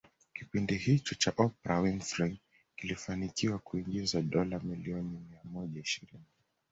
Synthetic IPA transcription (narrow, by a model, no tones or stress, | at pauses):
kipindihit͡ʃɔt͡ʃaʔɔpɛɾawiŋfɾiŋ | kilifanikiwakuiŋɡizaɗɔlamiliɔnimiamɔʄaiʃiɾini